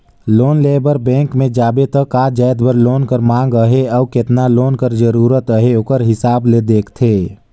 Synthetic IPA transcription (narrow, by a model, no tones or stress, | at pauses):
loːnleːbəɾbɛ̃ːŋkmẽd͡ʒaːbet̪əkad͡ʒaːɪd̪bəɾloːnkəɾmãːŋɡəɦeɔːkɪt̪naloːnkəɾd͡ʒəɾuːɾət̪əɦeoːkəɾɦɪsaːbled̪eːkʰt̪ʰeː